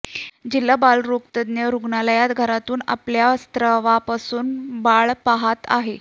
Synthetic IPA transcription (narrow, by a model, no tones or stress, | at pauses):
d͡ʑilːabalɾok̚t̪əd̪njəɾuɡɳaləjat̪ɡʱəɾat̪uːna̰pljast̪ɾəʋapasuːnbaɭpaɦat̪a̰ɦe